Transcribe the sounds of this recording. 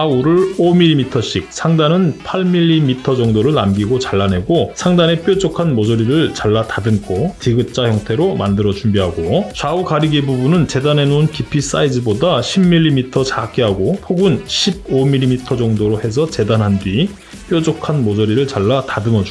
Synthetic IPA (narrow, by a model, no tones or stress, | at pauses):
auɾɯɭomilːimitʰʌɕ͈ik̚sʰaŋdanɯnpʰaɭmiʎːimitʰʌd͡ʑʌŋdoɾɯɭnamɡiɡot͡ɕaɭːane̞ɡosʰaŋdane̞p͈jod͡ʑokʰanmod͡ʑʌɾiɾɯɭt͡ɕaɭːatadɯnkʰotiɡɯt̚t͡ɕ͈açjʌŋtʰe̞ɾomandɯɾʌt͡ɕumbiɦaɡot͡ɕaukaɾiɡebubunɯnt͡ɕe̞dane̞nonkipʰis͈aid͡ʑɯbodaɕʰimːiʎːimitʰʌt͡ɕak͈iɦaɡopʰoɡunɕʰib̚omilːimitʰʌd͡ʑʌŋdoɾohe̞s̬ʰʌt͡ɕe̞danɦandɥi | p͈jod͡ʑokʰanmod͡ʑʌɾiɾɯɭt͡ɕaɭːatadɯnʌd͡ʑu